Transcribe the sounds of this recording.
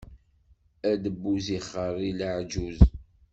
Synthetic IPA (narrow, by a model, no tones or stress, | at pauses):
æd̪əbːuziχːəɾˤːiləʕd͡ʒuz